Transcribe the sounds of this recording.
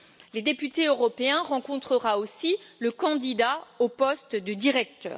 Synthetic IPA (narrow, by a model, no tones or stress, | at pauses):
led̪epyt̪eøʁɔpeɛ̃ʁɑ̃kɔ̃t̪χəʁaosiləkɑ̃d̪id̪aopɔst̪d̪əd̪iʁɛk̚t̪œ̰ːʁ